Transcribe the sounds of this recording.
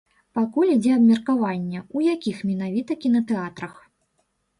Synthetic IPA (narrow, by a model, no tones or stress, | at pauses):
pakulʲid͡zʲɛɐbmʲɐrkavanʲːɛujakʲixmʲɛn̪avʲit̪ɐkʲinɐt̪ɛat̪ɾɐx